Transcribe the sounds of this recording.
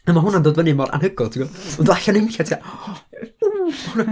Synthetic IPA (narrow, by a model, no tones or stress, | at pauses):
əmaɦʊnandoːdvənimɔda̰nhəɡʊlˠtʰiɡɔɔndlˠaɬanɪmkatʰia | mahʊnan